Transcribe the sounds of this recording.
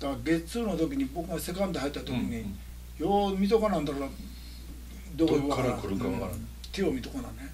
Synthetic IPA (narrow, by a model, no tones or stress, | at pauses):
d̪̥akɡe̞t͡sɨːno̞t̪o̞k̬ʲiɲ̟ibo̞kɯɡase̞kãnd̪ehait̪ːat̪o̞kʲiɲ̟i | jomʲit̪̬okanãnd̪akaɾa | d̪ooakɯɾɯɡaa | t̪eomʲit̪okanane